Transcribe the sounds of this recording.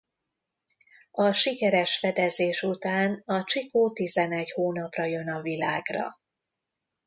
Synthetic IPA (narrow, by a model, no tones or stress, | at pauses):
ɒʃikɛɾɛʃfɛd̪ɛzeːʃut̪aːnɒt͡ʃikoːt̪izɛnɛɟhoːnɒprɒjø̞nɒvilaːɡrɒ̰